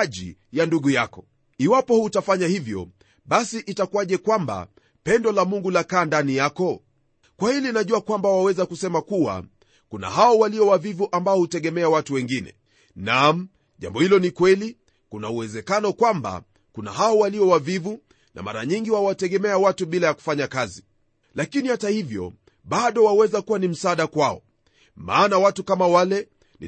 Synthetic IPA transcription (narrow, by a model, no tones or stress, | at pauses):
ʄijanduɠujakɔ | iwapɔhutafaɲahivjɔ̰ | ɓasiʔitakuwaʄɛkwamba̰ | pɛndɔlamuŋɡulakaːndanijakɔ | kwahilinaʄuakwambawawɛzakusɛmakuwa̰ | kuna̰ɦaɔwaliɔwavivuʔambaɔhutɛɠɛmɛawatuwɛŋɡinɛ̰ | nam̩ | ʄa̰mbɔhilɔnikwɛli | kunauwɛzɛkanɔkwamba̰ | kuna̰ɦaɔwaliɔwavivu | na̰ma̰ɾa̰ɲiŋɡiwawatɛɠɛmɛawatuɓilajaku̥faɲakazi | lakinihatahivjɔ̰ | ɓaɗɔwawɛzakuwanim̩saːɗakwaɔ | ma̰ːnawatukamawalɛ | nḭ